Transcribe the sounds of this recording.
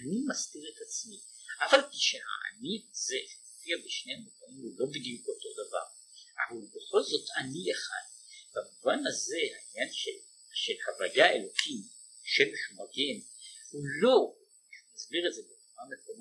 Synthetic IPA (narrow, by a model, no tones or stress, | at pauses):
animastiʁet̪at͡smiafalpiʃeha̰a̰niazeʃmofiabeʃnejamuvanimhulo̞bid̪ijuko̞t̪o̞dava̰ʁ | a̰valbe̞χo̞lzo̞t̪ʰanijaχa̰n | bamuvanhaze̞hainjanʃel | ʃelhavajae̞lo̞kʰim | ʃemeʃumaɡenhulo̞ | ʃumazbiʁetze̞bet͡suʁameko̞m